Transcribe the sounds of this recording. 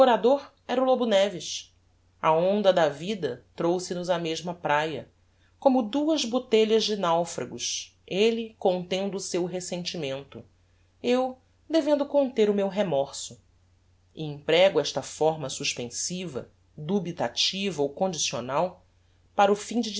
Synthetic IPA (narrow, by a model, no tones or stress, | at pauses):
oɾad̪oɾ | ɛɾulobunɛvɪʃs | ɐõnd̪ɐd̪ɐvid̪ɐt̪ɾowsɪnʊzɐmeʒmɐpɾajɐ | kõmʊd̪uɐzbot̪eʎɐzd͡ʒɪnawfɾɐ̰ɡʊʃ | elikõnt̪ẽnd̪ʊːsewɦesẽnt͡ʃimẽnt̪ʊ | ew | d̪evẽnd̪ʊkõnt̪eɾʊmewɦemɔɾsʊ | iĩpɾɛɡʊɛʃt̪ɐfɔɾmɐsuʃpẽsivɐ̰ | d̪ubit̪at͡ʃivɐowkõd͡ʒisio̰naw | paɾɐʊfĩd͡ʒɪd͡ʒ